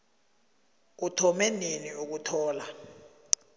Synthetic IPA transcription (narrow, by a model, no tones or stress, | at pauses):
utʰɔmɛneniuk̬utʰɔːla